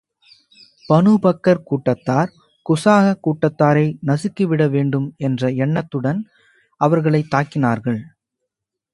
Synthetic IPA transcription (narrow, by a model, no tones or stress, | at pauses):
pɐnɯbɐkːɐɾkuːʈːɐt̪ːaːɾ | kʊsaːɣɐkːuːʈːɐt̪ːaːɾɐɪnɐsɪkːɯʋɪɽɐʋeːɳɖɯmɛndrɐɛɳːɐt̪ːɯɽɐn | ɐʋɐɾɣɐɭɐɪt̪ːaːkɪnaːɾɣɐɭ